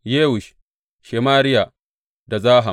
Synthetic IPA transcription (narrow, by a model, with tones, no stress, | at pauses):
jeː˦wʊ˨ʃ | ʃeː˨maː˦ɾɪ˦ja˨ | da˨zaː˦ɦa˨